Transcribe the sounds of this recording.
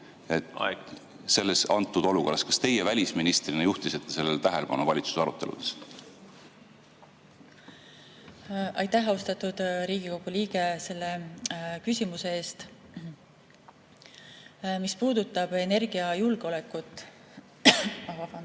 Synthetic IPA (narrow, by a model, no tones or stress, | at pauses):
et̪ | se̞lːesɑnt̪ːˑud̪̥o̞luko̞rːɑskɑ̥st̪e̞jevælʲisminist̪rinejuht̪iset̪ːese̞lːelt̪æɦeleb̥ɑnuvɑlʲit̪su̥sɑɾṵt̪ːˑe̞lṵd̪̥e̥s | ʔɑjt̪ːæɦɑost̪ɑt̪ːud̪̥ɾiːɡ̥ikowɡ̥uliːɡ̥e̞se̞lːe̞kysʲimuse̞e̞ːst̪ | mispuːd̪ut̪ːˑɑb̥e̞ne̞rɡ̥iɑjulɡ̥eole̞kːˑut̪ːˑ | ɑvɑfɑn